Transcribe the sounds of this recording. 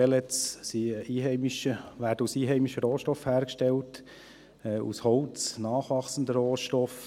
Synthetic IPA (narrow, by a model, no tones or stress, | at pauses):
ɛlɛt͡ssiʔiːɦɛɪmɪʃəʋæːɾdəusiːɦɛɪmiʃəɾoːʃtɔfhæːɾkʃtɛlt | ɛːʔṵshɔʊt͡snɑːχʋɑχsən̩d̪əɾoːʃtɔf